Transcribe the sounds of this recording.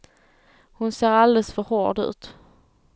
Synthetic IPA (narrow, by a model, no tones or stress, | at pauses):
hʊnseːɾald̪ɛlsfœɾho̰ːɖʉ̟̰ːt̪